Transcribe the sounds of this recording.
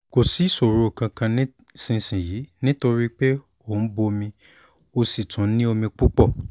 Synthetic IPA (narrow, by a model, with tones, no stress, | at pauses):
ko˨si˨˦˨so˨ɾo˨˦˨kã˧kã˧nĩ˦ | sĩ˨sĩ˨ji˨˦nĩ˦to˧ɾi˦k͡pe˦ | o˦˨n̩˦bo˧mĩ˧ | o˧si˨tʰũ˨˦nĩ˦o˧mĩ˧k͡pu˦k͡pɔ˦˨